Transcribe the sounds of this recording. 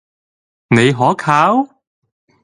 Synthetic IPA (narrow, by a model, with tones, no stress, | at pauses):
ne˨˧jɦɔː˨˥kʰaː˨˥w